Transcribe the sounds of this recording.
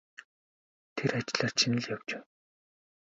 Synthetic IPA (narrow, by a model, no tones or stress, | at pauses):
t̪ʰerat͡ɕɪ̆ɮaːrt͡ɕʰinə̆ɮjawt͡ɕeː